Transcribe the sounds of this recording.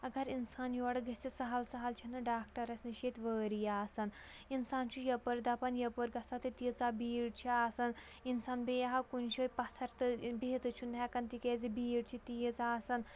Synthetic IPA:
ɐɡɐɾinsaːnjoːɽɨɡɐt͡sisɐɦɐlsɐɦɐlt͡ʃʰinɨɖaːk̚ʈɐɾɐsʲniʃet̪ʋəːɾijaːsɐn | insaːnt͡ʃʰujɐpɐɾd̪ɐpɐnjɐpəɾɡɐsɐt̪it̪it͡sabiːɽt͡ʃʰiaːsɐn | insaːnbejɐɦɐkunt͡ʃʰoːjpɐt̪ʰɐɾt̪ɨbeːt̪ɨt͡ʃʰund̪ʱʲɛkɐnt̪ikeːzibiːɽt͡ʃʰit̪ijit͡saːsɐn

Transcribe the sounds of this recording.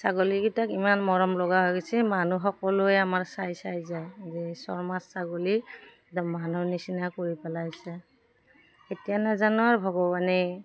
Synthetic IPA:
saɡoliɡitakimanmɔɹɔmlɔɡaɦojɡɛsɛmanuxɔkɔlʊɛamaɹsajsajzajzɛsɔ̰ɹmasaɡoli | dɔmːanunisinakoɹipɛlajsɛ | xetijanazanʊaɹbʱɔɡɔbani

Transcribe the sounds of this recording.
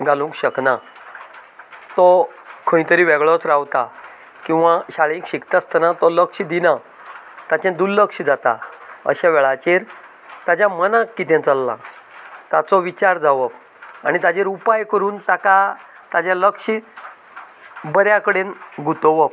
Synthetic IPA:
ɡalũŋkɕəkna | t̪ɔ | kʰə̃ĩt̪əɾiːʋɛɡɭɔt͡sɾawt̪a | kĩw̃ʋaɕaɭẽkɕikt̪ast̪ʰənat̪ɔləkʂid̪ina | t̪at͡ɕẽnd̪ullːəkɕid͡zat̪a̰ə̰ɕaʋɛɭat͡ɕeɾ | t̪ad͡ʑamənãkːit̪ẽnt͡səlːã̰ | t̪at͡sɔʋit͡ɕaɾd͡zaʋɔp | añit̪ad͡ʑeɾupajkəɾuːnt̪aka | t̪ad͡ʑaləkɕi | bəɾjakəɽenɡʱut̪ɔʋɔp

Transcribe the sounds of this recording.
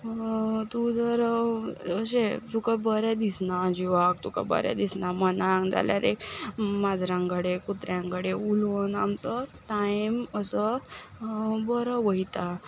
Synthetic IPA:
t̪ud͡zəɾ | əɕet̪ukabəɾad̪isnad͡ʑiʋak̚t̪uka̰bə̰ɾja̰d̪isnamənaŋd͡za̰lja̰ɾekmad͡zɾãŋkəɽekut̪ɾjãŋkəɽeulonamt͡səʈajiməsə | bəɾəʋəit̪a

